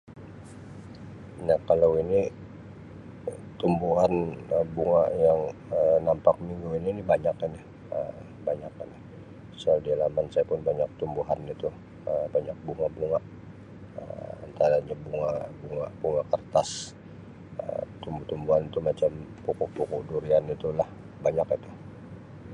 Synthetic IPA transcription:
nahkalawini | t̪umbuɦanəbuŋaʔjaŋənampak̚miŋɡuiniːnibaɲakanɪ | ə | baɲakanɪh | soaldialamansajapʊnbaɲak̚t̪umbuɦanit̪u | əbaɲak̚buŋabuŋaʔ | ə̰ma̰nt̪aɾaɲabuŋaʔbuŋaʔbuŋakərt̪as | ə̰t̪umbut̪umbuɦanit̪umat͡ʃampukuʔpukuʔduɾianit̪ulah | baɲakit̪u̥

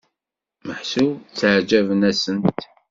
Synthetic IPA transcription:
məħsut͡sːəʕd͡ʒævənæsənt̪

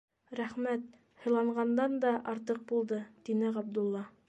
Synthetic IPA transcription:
ɾæχmæt̪̚ | hɤ̆lˠɑɴʁɑnd̪ɑnd̪ɑʔɑɾt̪ɤq̚bulˠd̪ɤt̪inɘʁɑb̚d̪ŭlˠːɑ

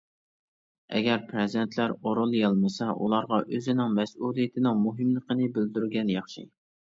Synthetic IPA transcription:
ɛ̰ɡʲɛɾpʰɾɪzd̪ent̪ʰlæɾoɾolˠjɑlˠmɨsɛʔṵlˠɑɾʁɑʔøzɪnɪŋmɛsulˠijɪt̪ʰɪnɪŋmuɦɪmlˠəqənɪbɪld̪yɾɡʲɛnjɑχʃḭ

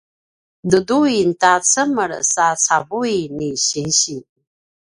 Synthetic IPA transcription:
dɨduintat͡sʰəməɾ̰sat͡sʰavuiniɕinɕi

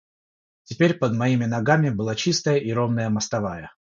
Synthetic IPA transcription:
tʲɪpʲeɾʲpəd̪mɐimʲɪnɐɡamʲɪbɨlˠat͡ɕist̪əjəʔiɾomnəjəmɐst̪ɐvajə

